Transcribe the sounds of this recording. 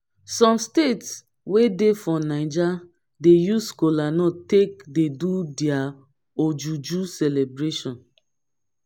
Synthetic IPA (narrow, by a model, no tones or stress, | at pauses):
sɔ̃mstets | wedefɔ̃naɪd͡ʒa | dejuskolanɔtek̚dedudia | od͡ʒud͡ʒusɛlebɹeʃɔ̃n